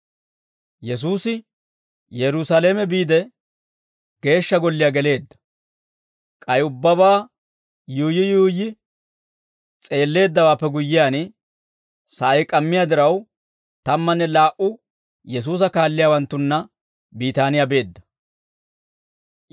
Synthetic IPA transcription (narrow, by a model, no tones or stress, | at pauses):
jɛs̬uːsɪ | jɛɾʊsale̞ːmɛbiːd̪ɛ | ɡ̥e̞ːʃːɐɡɔlːɪjaɡɛle̞ːd̪ːɐ̥ | kʼɐjʊbːɐbaː | juːjɪjuːjɪ | t͡sʼe̞ːlːe̞ːd̪ːɐwaːpːɛɡʊjːɪjaːn | sɐʔɐjkʼɐmːɪjaːd̪ɪɾɐw | t̪ɐmːɐnːɛlaːʔʊ | jɛs̬uːs̬ɐkaːlːɪjaːwɐnt̪ːʊnːɐ | biːt̪aːnɪjabe̞ːd̪ːɐ̥